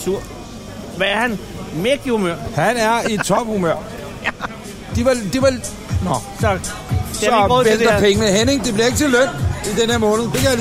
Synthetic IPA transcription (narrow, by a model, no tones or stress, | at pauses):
suɐ̰ | ʋæɐhæn | meɡ̥humøɐ̰hænæɐi̥t͡sʰɒ̽b̥humøɐ̰ | d̥iʋɑd̥iʋɑ | nɒs | sɒbesd̥ɐpʰeŋənəɦene̝ŋd̥e̝b̥liɐe̝ɡ̥ət͡sʰe̝lːøn̰id̥enheɐmɔ̽ːnð̩ˠd̥ekʰæja